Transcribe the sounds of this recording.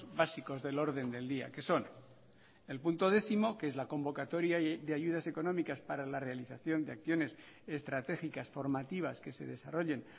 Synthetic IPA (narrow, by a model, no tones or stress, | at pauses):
βasiko̞zðe̞lo̞ɾðe̞nd̪e̞ld̪ia̰ke̞so̞n | e̞lpunt̪o̞ðe̞θimo̞keezlako̞mbo̞kat̪o̞ɾjaðeaʝuð̞ase̞ko̞nõ̞mikaspaɾalare̞aliθaθjo̞nd̪eakθjo̞ne̞s | e̞st̪ɾat̪e̞xikasfo̞ɾmat̪iβ̞aske̞se̞̰ðe̞saro̞ʎe̞n